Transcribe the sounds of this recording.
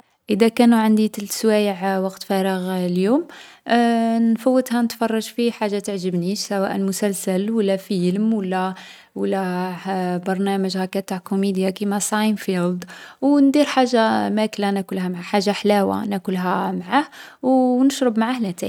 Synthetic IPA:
ʔəd̪ækænuʕənd̪it̪əlswæjəʕwɑqt̪fæɾˤəɣljum | nfəwːəd̪hænət̪fɑrˤːɑʒfiħaʒːat̪əʕʒəbniʃsæwæ̰ʔəlmʊsælsælwəlːæfiəlmwəlːæ | wəlːæ | bɑɾˤnæməʒhækæt̪ːaʕkomid̪jakimæsˤɑjnfild̪wnd̪iɾħaʒːamæklænækʊlhæmʕaħaʒːaħlæwa̰nækʊlɦæmʕahwnəʃɾˤəbmaʕahlæt̪æ̰

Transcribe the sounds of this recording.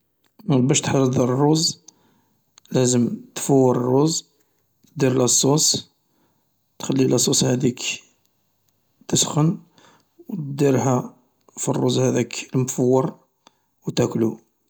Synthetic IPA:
mæbæʃt̪ħɑɾˤəd̪ˤrˤːuz | læzəmt̪fəwːəɾˤrˤːuz | t̪d̪iɾlɑsˤːus | t̪xælːilɑsˤushæd̪ik | t̪əsxən | wt̪d̪iɾhæ | firːuzhæd̪ækəlməfəwːəɾˤ | wt̪æklu

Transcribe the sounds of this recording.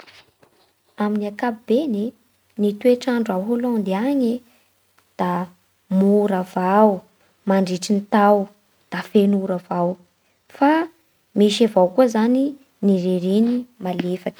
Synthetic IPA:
aminiakapib̥ene | nit̪ueʈ͡ʂaɳɖ͡ʐuawɦolɔ̃nd̪iaɲe | d̪̥a | muɾavaw | maɳɖ͡ʐiʈ͡ʂinit̪aw | d̪̥afenuɾavaw | fa | miʃavawkuəzani | niɾeɾinimalefaki̥

